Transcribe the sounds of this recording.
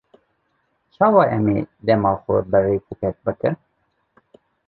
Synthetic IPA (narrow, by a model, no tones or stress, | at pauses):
t͡ʃʰɑːwɑːʔɛmeːd̪ɛmɑːxʷʊ̰bɨreːkʰukɛk̚bɨkɨn